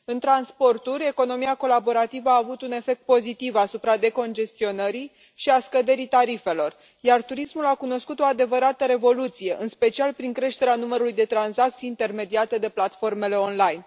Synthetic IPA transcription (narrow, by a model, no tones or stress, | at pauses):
ɨnt̪ɾanspo̞rt̪uɾʲe̞ko̞no̞miako̞labo̞ɾat̪ivəaːvut̪une̞fe̞k̚t̪̚po̞zit̪ivasupɾad̪e̞ko̞nd͡ʒe̞st̪io̞nəɾi | ʃiaskəd̪e̞ɾit̪aɾife̞lo̞r | jart̪uɾismulakuno̞skut̪o̞ad̪e̞vəɾat̪əɾe̞vo̞lut̪sije̞ʔɨnspe̞t͡ʃialpɾiŋkɾe̞ʃt̪e̞ɾeanuməɾulujd̪e̞t̪ɾansak̚t̪sijːnt̪e̞rme̞d̪iat̪e̞d̪e̞plat̪fo̞rme̞le̞o̞nlajn